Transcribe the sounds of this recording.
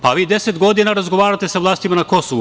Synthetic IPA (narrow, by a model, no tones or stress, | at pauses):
paʋiːd̪eset̪ɡo̞d̪inaɾazɡo̞ʋaːɾat̪esaʋlˠaːst̪imanako̞soʋu